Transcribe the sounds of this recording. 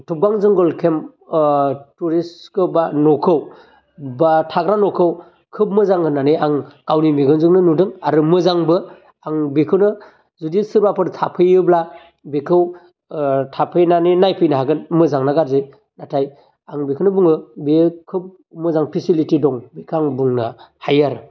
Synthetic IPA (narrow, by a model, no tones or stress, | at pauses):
tʰup̚ɡaŋzɯŋɡɔlkʰem | tuɾiskɯbanɔkʰɯw | batʰaɡɾanɔkʰɯw | kʰɯp̚mɯzaŋɯnanɯjaŋkawnimiɡɯnzɯŋnɯnudɯŋaɾɯmɯzaŋbɯ | aŋbikʰɯwnɯ | zudisɯɾbapʰɯɾtʰapʰɯjɯbla | bekʰɯw | tʰapʰɯjnanɯnajpʰɯjnaɦaɡɯnmɯzaŋnaɡaɾze | natʰaj | aŋbikʰɯwnɯbuŋɯbekʰɯp̚ | mɯzaŋpʰisilitidɔŋbikʰaŋbuŋnahajaɾɯ